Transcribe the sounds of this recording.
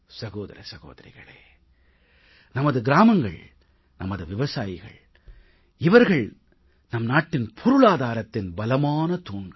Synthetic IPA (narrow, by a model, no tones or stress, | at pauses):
sɐɣoːðɐ̰ɾɐ̰sɐɣo̰ːðɐɾɪ̰ɣɐ̰ɭḛː | nɐmɐðɯɡɪɾaːmɐŋɡɐ̰ɭ | nɐmɐðɯʋɪʋɐsaːjɪɣɐ̰ɭ | ɪʋɐɾɣɐɭ | nɐmnaːʈːɪnpʰɔɾʊɭaːðaːɾɐt̪ːɪnbɐlɐmaːnɐt̪uːɳɡɐ